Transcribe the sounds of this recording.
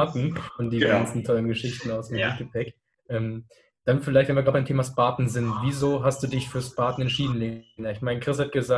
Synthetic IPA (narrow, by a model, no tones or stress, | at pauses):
tn̩ʔʊnt̚d̥iːzəɡansn̩tʰɔlənɡəʃɪçtn̩aʊsd̥emt̚ɡ̥əpʰɛk | ʔɛːm | d̥anfɪlaɪçtvɛnviɐɡlabaɪmtʰeːmaspaːtn̩zɪntviːzoːɦastd̥uːdɪçfyːɐspaːtn̩ɛntʃiːdn̩leːnaɪçmaɪnəkʁ̥ɪs̬hat̚ɡ̥əzaː